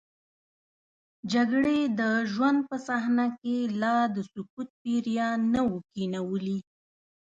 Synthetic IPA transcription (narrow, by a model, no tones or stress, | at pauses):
d͡ʒaɡɽed̪əʒwand̪̚pəsahnakelɑd̪əsʊkut̪̚peɾjɑnawəkinawəli